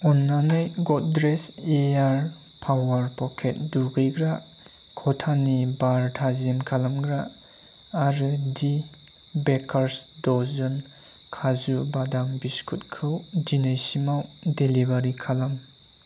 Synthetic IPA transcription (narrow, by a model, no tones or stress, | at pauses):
ɔnːanɯjɡɔt̚dɾeseaɾ | pʰawaɾpɔkʰet̚duɡɯjɡɾakʰɔtʰanibaɾtʰazenkʰalamɡɾaː | ɾɯdi | bekʰɐɾsdɔzɯn | kʰazubadaŋbiskʰut̚kʰɯwdinajsimawdelibaɾikʰalam